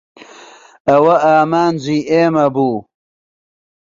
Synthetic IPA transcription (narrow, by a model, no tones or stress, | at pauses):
ɐwɐaːmaːnziːeːmɐbuː